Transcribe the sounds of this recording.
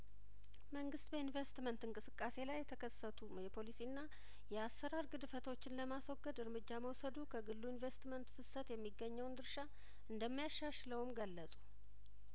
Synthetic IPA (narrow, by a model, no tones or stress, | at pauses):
məŋɡɨst̪bəinvest̪mənt̪ɨŋkʼɨsɨkʼːase̞lajɛt̪ʰəkʰəsːət̪ʰujɛpʰo̞lisiɨnːa | jɛasːəɾaɾɡɨd̪ɨfət̪ʰo̞t͡ʃːɪnləmaswɔɡːəd̪ɨɾmɨd͡ʒːaməwsəd̪ukʰəɡɨlːuinvest̪mənt̪fɨsət̪jɛmːiɡːəɲːəwnd̪ɨɾʃa | ʔɨnd̪əmːijaʃːaʃləwmɡəlːəsʼu